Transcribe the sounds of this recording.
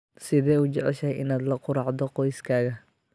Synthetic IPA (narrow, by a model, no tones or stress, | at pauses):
sɪðɛːuːt͡ʃɔʕɛʃɐjʔɪ̰naːd̪lɐqʊɾɑʕd̪ɔqɔjskʰaːɣɐ